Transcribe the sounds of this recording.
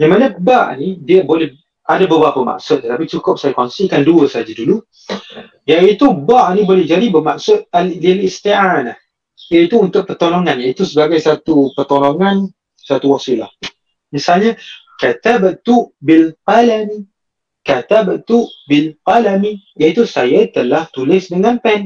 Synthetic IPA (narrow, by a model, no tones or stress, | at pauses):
namanəbaʔnidiəbolɛh | adabəbapəma̰ʔsʊt̪̚ːət̪apit͡ʃukʊp̚sajakonsikanduəsaad͡ʒadulu | jait̪ubaʔnibolɛhd͡ʒadibəmaʔsʊt̪̚aldilist̪ianah | jait̪uunt̪ʊʔ̚pərt̪oloŋanjait̪usəbaɡajsat̪upərt̪oloŋan | sat̪uwasila̰h | misalɲakat̪abət̪uʔbilpalani | kat̪abət̪uʔbɪlpalamĩ | jait̪usajat̪əlaht̪ulɪsdəŋanpɛn